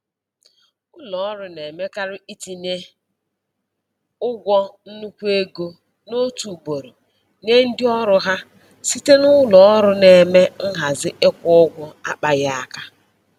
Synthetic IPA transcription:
ʊ˦lɔ˨˦ɾʊ˨ne˨me˦ka˦ɾʊ˦i˦ti˨ne˦ | ʊ˦ɡʷɔ˦n̩˦nu˦kʷe˦ɡo˦ | no˦tu˨bo˨ɾo˨ | ne˦n̩˦dɪ˦ɔ˦ɾʊ˦ɦa˦ | si˦te˦nʊ˦lɔ˨ɔ˦ɾʊ˦ne˨me˦ŋ̩˦ɦa˨zɪ˦ʔe˦kʷʊ˦ʊ˦ɡʷɔ˦a˦k͡pa˨ja˦a˨ka˦

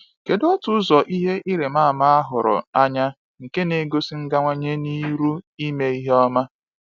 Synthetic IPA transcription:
ke˨dɔ˦tʊ˦zɔ˨ʔi˦ɦe˦ʔi˦ɾe˨ma˦˨ma˦a˦ɦʊ˨ɾʊ̰˨a˦ɲa˦ | ŋ̩˨ke˦ne˨ɡo˦si˦ŋ̩˦ɡa˦ŋʷa˦ɲe˦ni˦ɾu˦i˦me˦i˦ɦe˦ɔ˦ma˦

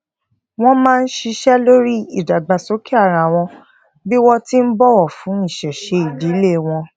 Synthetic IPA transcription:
w̃ɔ̃˦mãː˦˧n̩˦ʃi˧ʃɛ˦lo˦ɾi˦i˨da˨ɡ͡ba˨so˨˦ki˦a˦˨ɾa˨w̃ɔ̃˧ | bi˦wɔ˧ti˦n̩˦bɔ˦wɔ˦˨fũ˨˦i˦˨ʃɛ˨ʃe˧i˨di˨˦le˦˨w̃ɔ̃˧

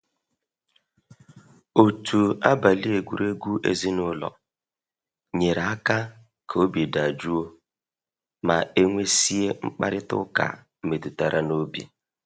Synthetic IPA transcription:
o˨tʰu˨a˦ba˨li˦e˨ɡʷu˨ɾe˦ɡʷu˦ʔḛ˦zi˦nʊ˦lɔ̰˨ | ɲe˨ɾa˨a˦ka˦ | kʰo˨˦bi˨da˨d͡ʒu˦o˦ | ma˨e˦ŋʷe˦si˦e˦ŋ͡m̩˦k͡pa̰˦ɾɪ˦tʊ̰˦ka̰˨m̩˨me˨tu˨ta˨ɾʔa˨no˦bḭ˨

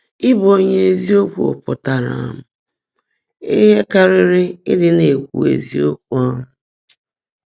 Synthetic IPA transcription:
ɪ˦bo˦ɲe˦e˨zi˦o˦kʷṵ˦˨o̰˨pʊ˨ta˨ɾa̰˨m̩˦ | ḛ˦ɦe˦ka˦ɾɪ˦ɾɪ˦ɪ˦dɪ˦ne˨kʷṵ˨ḛ˨zi˦o˦kʷu˦a˦mʊ˦

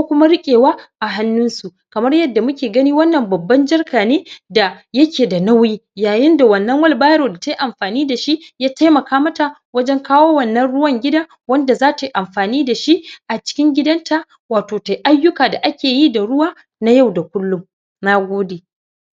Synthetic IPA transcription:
kʷoː˦kʷʊ˦ma˦ɽɪ˦kʲʼeː˨waː˦ʔa˨ɦa˦nːʊ˦nsu˨ʔkɐ˨mɐ˦rjɐ˦dːa˨mʊ˦kʲeː˨ɡɐ˦niː˦wɐ˦nːɐ˨mbɐ˨bːɐ˦nd͡ʒɐ˦rkʰaː˨neː˦da˨jɐ˦kʲʰeː˨da˨na˦wjiː˦jaː˨jɪ˦nda˨wɐ˨nːɐ˦ŋwɐ˦lbaː˦jɾoː˨da˨ta˦ʔa˨mɸaː˨niː˦da˨ʃi˦jaː˦ta˦jmɐ˨kaː˦mɐ˦ta˨ | wɐ˦d͡ʒɛ˦ŋkaː˦woː˦wɐ˦˨nːɐ˦nɽʊ˦wɐ˦ŋɡʲɪ˦daː˦ | wɐ˦nda˨zaː˦ta˨ʔa˨mɸaː˨niː˦da˨ʃi˦ʔʔa˨t͡ʃɪ̥˦kʲɪ˦ŋɡʲɪ˦dɐ˦nta˨ | waː˨toː˨ta˨jʔa˦jːʊ˦kaː˨da˨ʔa˦kʲʰeː˨ji˦da˨ɽʊ˦waː˦ | na˦ja˦˨wda˨kʷʊ˦lːʊ˦m | na˦ɡʷoː˦deː˨

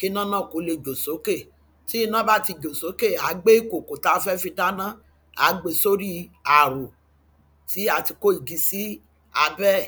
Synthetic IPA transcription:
ke˦nã˦nã˦˨ko˨˦le˧˨d͡ʒo˨so˨˦ke˦˨ | ti˦i˦˧nã˦ba˦ti˧d͡ʒo˨so˨˦ke˦˨a˨˦ɡ͡be˦i˦˨ko˨ko˨ta˧˦˧fɛ˦fĩ˧da˦nã˦ | a˨˦ɡ͡be˨so˦ɾi˦a˨ɾo˨ | ti˨˦a˧ti˧ko˦i˨ɡi˧˦si˦ | a˧bɛ˦˨

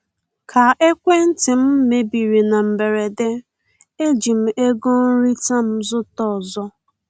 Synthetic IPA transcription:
kʰa˨ʔe˦kʷe˦n̩˦tɪ˨m̩˦me˨bi˨ɾi˨na˨m̩˨be˨ɾe˨de˦ | e˦d͡ʒi˨m̩˨e˦ɡo˦n̩˦ɾi˦ta˦m̩˦zʊ˦tɔ˨zɔ˦

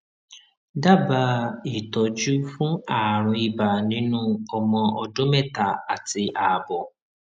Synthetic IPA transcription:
da˦˨ba˧i˨tɔ˨d͡ʒu˦fũ˦aː˦˨ɾ̃ũ˧i˨ba˨nĩ˦nũ˦ɔ˧mɔ̃˧ʔɔ˧dõ˦mɛ˦˨ta˨a˨ti˧ʔa˨bɔ˨

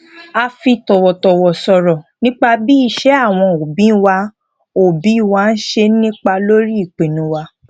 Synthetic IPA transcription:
a˧fi˧tɔ˨wɔ˨tɔ˨wɔ˨sɔ˧ɾɔ˨nĩ˦k͡pa˧bi˦i˧ʃɛ˨˦a˦˨w̃ɔ̃˧o˨bĩ˨˦˧wa˧ | o˨bĩ˨˦˧wa˧n̩˦ʃe˧˦nĩ˦k͡pa˧lo˦ɾi˦i˦˨k͡pe˨nũ˧˦wa˧˦

